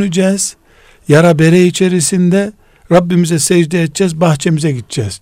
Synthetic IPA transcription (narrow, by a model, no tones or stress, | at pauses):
nyd͡ʒɛːz̥ | jaɾabeɾɛjit͡ʃʰe̞ɾisind̪ɛ | ɾabːimizɛsɛd͡ʒd̪ɛːt̪̚d͡ʒɛzbaxt͡ʃʰemizɛɡit̪̚d͡ʒɛːz̥